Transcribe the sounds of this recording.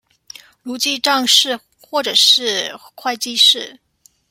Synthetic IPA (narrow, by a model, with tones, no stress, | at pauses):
lu˧˥t͡ɕi˥˧ʈ͡ʂɑ˥˧ŋʂɻ̩˥˧ | xwɔ˥˩ʈ͡ʂɤ˨˩ʂɻ̩˥˧kʰwa˥˧ɪt͡ɕi˥ʂɻ̩˥˩